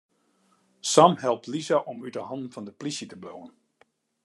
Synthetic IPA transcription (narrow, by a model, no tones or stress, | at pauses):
samhɛlˠp̚tlizaʔɔmytəɦɑndn̩fɑndəplisətəblowən